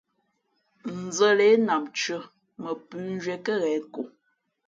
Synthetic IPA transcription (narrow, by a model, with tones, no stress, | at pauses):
n̩˨zə˦le˨˦na˨mt͡ʃə˦ | mə˨pʉ˦n˦d͡ʒɥɛ˨kə˦ɣɛ˨˦ko˨